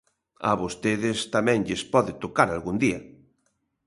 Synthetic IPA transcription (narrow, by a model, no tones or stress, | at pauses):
a̰βost̪eðɪst̪amɛ̃ŋʎɪspɔðɪt̪okaɾalɣund̪iɐ̰